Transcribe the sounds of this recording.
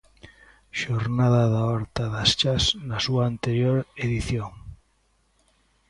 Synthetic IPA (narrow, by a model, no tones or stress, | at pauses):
ʃoɾnaðaðaɔɾt̪aðast͡ʃaznasuaːnt̪eɾjoɾeðiθjoŋ